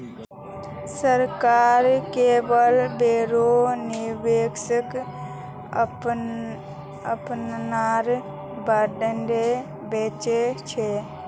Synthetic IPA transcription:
səɾkaːɾkebəlbeɾoniɾbeksək | əpnnaɾ | baɖənɖe | bet͡ʃet͡ʃʰe

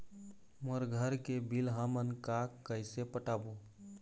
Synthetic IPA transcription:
məɾɡʱəɾkebilɦãmənkakːəjsepəʈabo

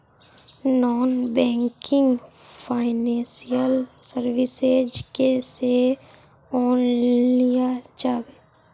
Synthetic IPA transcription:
nɔːnbɛ̃ːŋkɪ̃ŋɡ | fʰaːɪnɛ̃ːsijəlsəɾʋɪseːd͡ʒkese | ɔːnlijad͡ʒaːweː

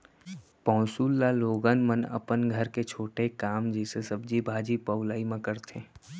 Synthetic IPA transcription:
pɔ̃ːsuːlːaloːɡənmənə̰pənɡʱəɾket͡ʃʰoːʈekaːmd͡ʒɛːsesəbd͡ʒibʱaːd͡ʒipəʊlaːimãkəɾt̪ʰẽː

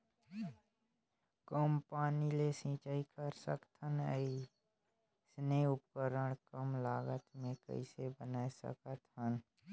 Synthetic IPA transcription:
kəmpaːnilesĩːt͡ʃaːikəɾsə̰kt̪ʰənə̰i | sneːʊp̚kəɾəɽ̃kəmlaːɡət̪mẽkə̰ɪsebənaːesə̰kət̪ɦən

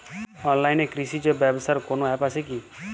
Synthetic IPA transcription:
ɔnlajnekɾisid͡ʒɔbabsaɾkonoapaseki

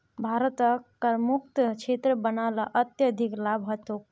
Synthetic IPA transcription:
bʱaːɾət̪əkɐɾmuk̚t̪kt͡ʃʰeːt̪ɾəbənaːlaʔɐt̪jəd̪ʱiklaːbʱɦɐt̪ːok

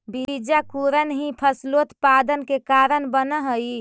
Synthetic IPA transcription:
bid͡ʒakuɾənɦĩpʰəslot̪pad̪ənkekaɾənbənəɦəi

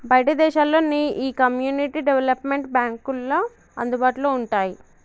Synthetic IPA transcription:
bʱɐjɐʈɐd̪ɛːʃaːlːo̞ːnːiʔiːkɐmjuːniʈiɖeʋelɐpmeɳʈ̚bjaːŋkulːo | ɐnd̪ubaːʈuloːuɳʈaːji

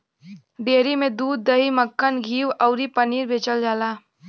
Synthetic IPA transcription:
ɖeːɾimẽd̪uːd̪̚ːəɦiməkːənɡʱiːwɔʊɾipəniːɾbʱeːt͡ʃəld͡ʒaːlaː

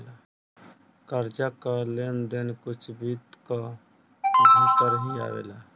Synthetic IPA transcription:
la | kəɾd͡ʒakəlend̪enkut͡ʃʰbit̪kɔ | ɦãpəɾɦĩa̰ːʋḛla

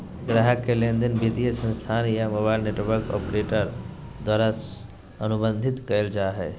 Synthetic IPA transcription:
ɡɾaɦəkːelẽnd̪ənbid̪ijəsə̃nst̪ʰaːnjamoːbaːɪlneʈʋəɾkɔ̰ːpɾeːʈəɾd̪waːɾas | ənʊbə̃nd̪ʱɪt̪kəəld͡ʒaːɦɛː

